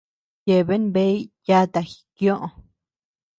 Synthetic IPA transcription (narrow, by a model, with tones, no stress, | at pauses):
je˧˨βe˦nbe˦i˦ja˦t̪a˨˧xi̥˨kjõ˦ʔo˧